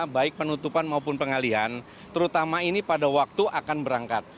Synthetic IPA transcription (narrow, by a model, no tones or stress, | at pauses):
baɪk̚pənut̪upanmaupʊnpəŋaliɦan | t̪əɾut̪amainipadawak̚t̪uʔakanbəɾaŋkat̪̚